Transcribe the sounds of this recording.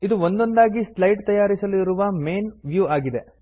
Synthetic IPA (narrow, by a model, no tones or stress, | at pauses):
id̪uʋond̪o̞nd̪aːɡislɐjʈt̪ɐjaːɾisɐliɾuʋɐmeːnʋjuːaːɡid̪e̞